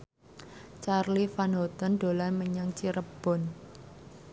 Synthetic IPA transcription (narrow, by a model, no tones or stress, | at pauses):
t͡ʃarlifanɦɔt̪ɔnɖ̪̥o̤lanməɲaŋt͡ʃiɾəb̥ɔ̤n